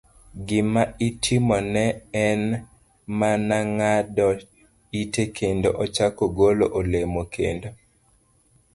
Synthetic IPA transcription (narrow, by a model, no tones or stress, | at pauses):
ɡɪmaitʰɪmɔnɛɛn | manaŋadɔ | itekʰendoʔɔt͡ʃakoɡoloʔolemokʰendo